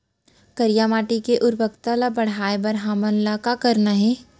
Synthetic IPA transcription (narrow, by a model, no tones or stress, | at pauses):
kɐɾijaːmaːʈikeʔʊɾbəkt̪alabɐɽ̤aːebɐɾɦaːmənlakakɐɾnaɦɛː